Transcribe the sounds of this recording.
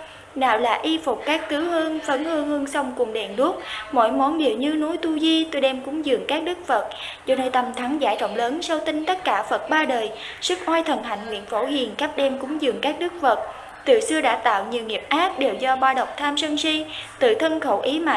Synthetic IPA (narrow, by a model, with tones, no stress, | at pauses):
ɗa̰ː˧˨wla̰ː˨˩ʔi˧fʊ˨˩k͡p̚kaː˦˥k̚t̪ɨ˨˦whɨ˧əŋfə˨˦nhɨ˧əŋhɨ˧əŋsa˧wŋ͡mku˨˩ŋ͡mɗɛ˧˩nɗu˦˥ət̚mo̰˧˥˨jmɔ˨˦nɓḭ˧˨əwɲɨ˧nu˨˦jt̪u˧zi˧t̪o˧jɗɛ˧mkʊ˨˦ŋ͡mzɨ̰˨˩əŋkaː˦˥k̚ɗɨ˦˥k̚fə˨˩t̚zɔ˧nəː˧jt̪ə˧mt̪ʰa˨˦ŋzaː˧˩jzɔ̰˧˨wŋ͡mləː˨˦nsa˧wt̪ï˧ŋ̟t̪ə˦˥t̚kaː˧˩fə˨˩t̚ɓaː˧ɗəː˨˩j | sɨ˦˥k̚ʔwaː˧jt̪ʰə˨˩nɦa̰˧˨jŋŋwḭ˧˨ənfo˧˩ɦḭ˨˩ənkaː˦˥p̚ɗɛ˧mkʊ˨˦ŋ͡mzɨ̰˨˩əŋkaː˦˥k̚ɗɨ˦˥k̚fə˨˩t̚ | t̪ɨ̰˧˨˩sɨ˧əɗa̰ː˧˥t̪a̰ː˧˨wɲi˨˩wŋi˨˩əp̚ʔaː˦˥k̚ɗe˨˩wzɔ˧ɓaː˧ɗə˨˩wk͡p̚t̪ʰaː˧msə˧ŋsi˧t̪ɨ̰˧˨˩t̪ʰə˧nxə˧˩wʔi˨˦ma̰ː˨˧˨